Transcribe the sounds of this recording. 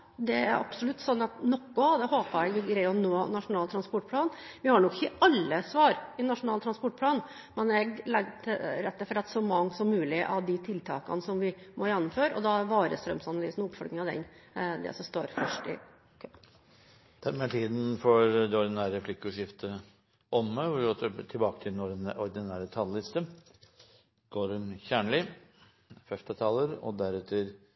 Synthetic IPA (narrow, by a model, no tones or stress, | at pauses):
d̪ɛæ̰ɾʔɑ̰psɔlʉt̪ːsɔnːɑt̪nɔkːʊd̪ɛhoːpəɾɛɡɡɾæɪɔnoːnɑʂʊnɑːlt̪ʰɾɑnspɔʈ̚ːpʰlɑːn | ʋɪhɑɳɔkːɪ̥çəʔɑlːəsʋɑːɾɪnɑʂʊnɑːlt̪ʰɾɑnspɔʈ̚ːpʰlɑːn | mɛnɛɡlɛɡʈ̪ʰɪɾɛt̪ːəfɾɑt̪ːsɔmɑŋːsɔmːʉːlɪʔɑʋd̪ɪt̪ʰɪlt̪ʰɑ̰ːkɑ̰nəsɔmʋɪmɔjɛnːɔmføːɾɔ̰d̪ɑʋɑːɾəst̪ɾœ̰msɑnɑlyːsnʊpfɔɾɡ̪nɪŋɑʋd̪ɛ̰nd̪ɛ̰sɔst̪oːɾfœʂʈɪ̰ | kʰœpː | d̪̥ʰæɾmɛt̪ʰiːd̪n̩fɔɾd̪ɛɔɾd̪ɪnæːɾəflɪkːʉʂɪft̪ʰə | ɔmːəʋʊɾɡot̪ʰɪlbɑːkət̪ʰɪlɛnɔɔɾd̪ɪnæːɾət̪ʰɑllɪst̪ə | ɡ̥oːɾmçæːɳɭɪ | fɛft̪ət̪ʰɑːləɾɔ̰d̪æɾʉːt̪ʰəɾ